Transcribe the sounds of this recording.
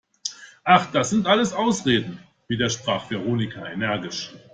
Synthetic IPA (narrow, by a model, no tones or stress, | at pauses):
ʔaχd̥asz̥ɪntʔaləsaʊsʁeːdn̩ | viːdeːɐʃpʁ̥aːχv̥eʁ̞oːnɪkʰaenɛɐɡɪʃ